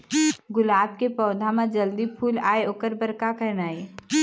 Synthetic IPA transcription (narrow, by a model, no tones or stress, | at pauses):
ɡʊlaːb̚kepɔːd̪ʱãmãd͡ʒəld̪ipʰuːlaːeoːkəɾbəɾkakəɾnaːe